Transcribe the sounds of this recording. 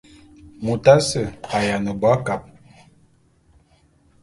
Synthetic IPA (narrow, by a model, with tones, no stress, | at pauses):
mu˨ta˦sə˨a˨ja˨nə˨ba˦ka˨p̚